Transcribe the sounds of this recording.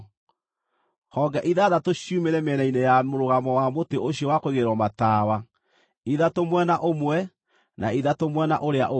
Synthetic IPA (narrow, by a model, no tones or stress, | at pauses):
hɔːɡɛʔiðaðatoɕjumeɾɛmɛnainejamoɾoɣamɔwamoteoɕiɔwakoeɣeɾwɔmataːwa | iðatomwɛnaʔomwɛ | naiðatomwɛna̰ʔoɾeaʔo